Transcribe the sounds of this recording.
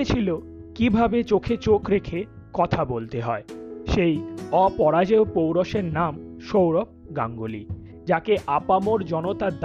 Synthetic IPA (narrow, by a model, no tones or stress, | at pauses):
et͡ɕʰilo | kibʱabet͡ɕokʰet͡ɕokɾekʰe | kɔt̪ʰabolt̪eɦɔeʃejɔpɔɾad͡ʑeopowɾɔʃeɾnamʃowɾok̚ɡa̰ŋɡoli | d͡ʑakeʔapamoɾd͡ʑɔnot̪ad̪